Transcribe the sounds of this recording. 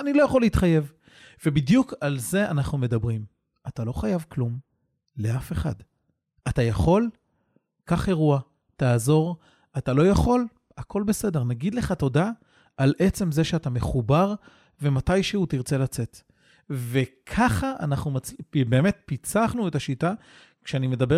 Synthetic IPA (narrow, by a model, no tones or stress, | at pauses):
anilo̞jaχolːeitχaje̞v | ve̞bidjukalze̞ʔanaχnume̞dabʁim | atalo̞χajavklum | le̞afe̞χa̰d | atajaχo̞l | kaχe̞ʁua | taːzo̞ʁ | atalo̞jaχo̞l | akʰo̞lbe̞se̞de̞ʁnaɡid̪le̞χato̞da | alʔe̞t͡se̞mze̞ʃeatame̞χubaʁ | ve̞matajʃeutiʁt͡se̞lat͡se̞t | ve̞kʰaχaʔanaχnumabe̞ːme̞t̚pit͡saχnue̞taʃita | kʃeanime̞dabe